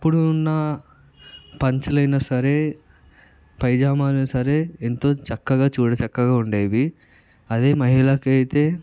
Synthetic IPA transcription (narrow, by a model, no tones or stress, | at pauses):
ɐpːuɽuːnːɐ | pɐɲt͡ʃulɐjnɐsɐɾeː | pɐjd͡ʒaːmaːlunɐsɐɾe̞ːent̪o̞ːt͡ʃɐkːɐɡaːt͡ʃuːɽɐt͡ʃɐkːɐɡaːuɳɖeːjd̪i | ɐd̪eːmɐɦiɭɐkɐjt̪e̞ː